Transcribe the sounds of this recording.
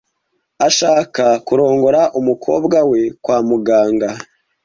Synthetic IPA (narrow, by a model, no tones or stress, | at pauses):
aʃaːkakuɾo̞ːŋɡo̞ɾaʔumukʰo̞̰ːbɡawe̞kwaːmuɡaːŋɡa